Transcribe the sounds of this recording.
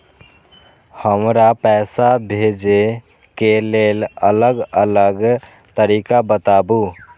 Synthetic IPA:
həmɾapɛsabʱed͡ʒe | kelelələɡələɡ | t̪əɾikabət̪abu

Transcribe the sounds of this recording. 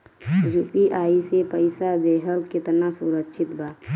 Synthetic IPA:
d͡ʒupiʔaːisepəɪsad̪eːɦəlkɪt̪nasuɾəkʃʰɪt̪bʱaː

